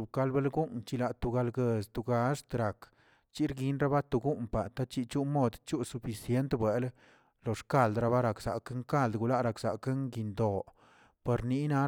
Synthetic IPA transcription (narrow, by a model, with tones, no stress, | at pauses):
u˨bka˧lbe˦lɡu˦nt͡ʃi˧la˨t̪u˧˨ɡa˧lɡe˧st̪u˨ɡa˧˦ʂt̪ɾa˨k | t͡ʃi˦ɾɡi˦nɾa˦ba˦t̪u˧ɡu˦mpa˨t̪a˦t͡ʃi˧t͡ʃu˦mo˦˧d̪t͡ʃu˦su˧fi˨sje˦nt̪bwe˨l | lo˨ʂka˦˧˨ld̪ɾa˧ba˦ɾa˨ksa̰˨ke˦ŋka˦˨ld̪ɡu˧la˦ɾa˨kz̥a˨ke˦ŋɡi˧nd̪o˨ | pe˧ɾni˦na˧˦